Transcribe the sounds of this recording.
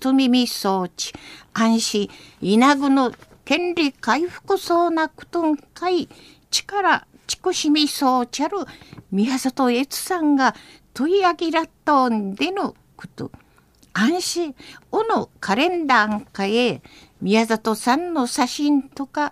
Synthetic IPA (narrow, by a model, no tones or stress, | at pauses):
t̪omʲimʲiso̞ːt͡ɕi̥ãɰ̃ɕiinaɡɯ̟not̪ẽ̞nɾʲikaiɸɯ̥kɯ̟soːnakɯ̟̥t̪oŋkai | t͡ɕi̥kaɾa | t͡ɕi̥kɯ̟ɕimʲisoːt͡ɕiaɾɯ̟mʲiazat̪oet͡sɨ̥sãŋɡat̪oiaɡʲiɾat̪oːnd̪e̞no | kɯ̟̥t̪ɯ̰ | ãɰ̃ɕionokʰaɾẽ̞nd̪aŋkae | mʲiazat̪osãnːo̞saɕĩnt̪o̞ka